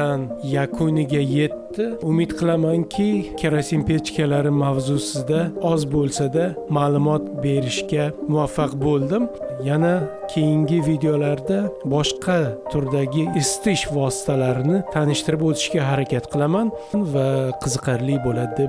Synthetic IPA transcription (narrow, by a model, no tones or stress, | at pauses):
anjakʰʊnɪɡʲaje̞t̪ːɪʊmɪt̪qʰɨlˠamaŋkʲʰɪkʲʰaɾasimpet͡ʃkʰʲalaɾɪmavzʊsɪd̪aɒzbolˠsad̪amaːlˠʊmɒt̪be̞ɾɪʃkʲamʊvafːɑqbolˠd̪ɪmjanakʲʰe̞jɪŋɡʲɪvid̪e̞olaɾd̪abɒʃqʰɑt̪ʰʊɾd̪aɡʲɪɪst̪ʰɪʃvɒsɪ̥t̪ʰalaɾɪnɪt̪ʰanɪʃt̪ɪɾɪpot̪ʰɪ̥ʃkʲaɦaɾakʲat̪qʰɨlˠaman | nvaqʰɨzɨqʰɨɾlɪbolad̪d̪e